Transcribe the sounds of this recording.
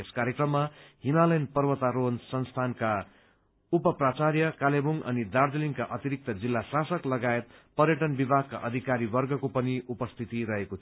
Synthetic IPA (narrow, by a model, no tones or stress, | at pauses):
eskaɾjekrʌmːaɦimalʌjnpʌrwʌt̪aɾonsʌnst̪ʰanka | upʌprat͡sarjʌkalebuŋʌ̰nid̪ard̪eliŋkaʔʌt̪iɾik̚t̪ʌd͡zilːasasʌklʌɡaet̪pʌrjʌʈʌnbibʱaɡ̚kːa̰ʔʌd̪ʱikaɾibʌrɡʌkopʌniupʌst̪ʰit̪iɾʌɦekot̪ʰ